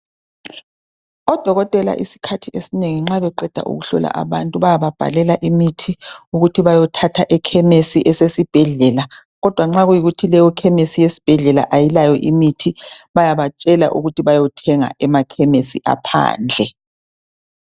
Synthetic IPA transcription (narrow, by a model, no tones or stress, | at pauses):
ɔd̥ʱɔɣɔtʼɛla̰ʔḭsi̥kʰatʰiesineŋiŋ͡ǁaβɛǃɛd̥ʱa̰ʔṵɣuɬɔ̰la̰ʔa̰βantʼuβajaβab̥ʱa̰lɛlaʔimitʰiuɣutʰiβajɔtʰatʰaʔɛkʰɛmesiʔɛsesib̥ʱɛɮɛla | ɣɔd̥ʱwaŋ͡ǁaɣujiɣutʰilɛjɔkʰɛmesijesi̥b̥ʱɛɮɛla̰ʔajilajɔʔimitʰiβajaβat͡ʃʼɛla̰ʔṵɣutʰiβajɔtʰɛŋa̰ʔɛmakʰɛmesiʔa̰pʰa̰ːnd͡ɮʱɛ